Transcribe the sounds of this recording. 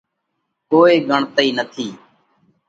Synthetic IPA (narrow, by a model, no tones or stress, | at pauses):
koːeːɡəɳt̪əiːnət̪ʰiː